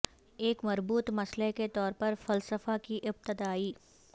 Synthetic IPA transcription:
eːkmɐɾbuːt̪mɐsleket̪ɔːɾpɐɾfɐlsəfakiʔɪb̚t̪ɪd̪aːiː

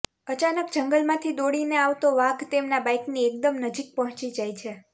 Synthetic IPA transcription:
ət͡ʃanək̚d͡ʒəŋɡəlmãt̪ʰid̪oɽineaʋt̪oʋaɡt̪emnabajkniek̚d̪əmnəd͡ʒik̚pɔɦɔ̃t͡ʃid͡ʒajt͡ʃʰe

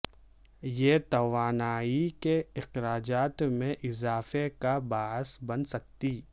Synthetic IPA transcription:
jeːt̪ɐʋaːnaːikeɪxɾaːd͡ʒaːt̪mẽʔɪzaːfekabaːɦsbɐnsɐk̚t̪iː

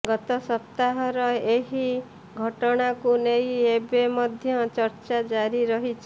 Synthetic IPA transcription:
ɡɔt̪ɔsɔp̚t̪aɦɔɾɔeɦi | ɡʱɔʈɔɽ̃akunejebemɔd̪ʱjɔt͡ʃɔɾt͡ʃad͡ʒaɾiɾɔɦit͡ʃʰ

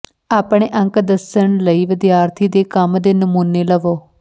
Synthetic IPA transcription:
aːpɳ̃eːʔə̃ŋkd̪əsəɳləiːʋɪd̪jaːɾt̪ʰiːd̪eːkəmd̪eːnəmuːneːləʋoː

